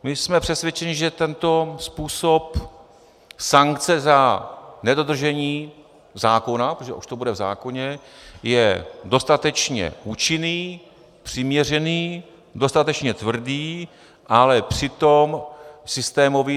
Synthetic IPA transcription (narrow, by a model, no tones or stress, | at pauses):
mɪsmɛpr̥ɛsvjɛt͡ʃɛɲɪʒɛt̪ɛnt̪o̞spuːso̞p | saŋkt͡sɛzanɛdo̞d̪r̩ʒɛɲiː | zaːko̞napoʒɛ̰ʔuʃt̪obudɛvza̰ːko̞ɲɛjɛdo̞st̪at̪ɛt͡ʃɲɛ̰ʔuːt͡ʃɪniː | pr̝̥ɪmɲɛr̝ɛniː | do̞st̪at̪ɛt͡ʃɲɛt̪vr̩diː | ʔalɛpr̝̥ɪt̪o̞msɪst̪ɛːmo̞vi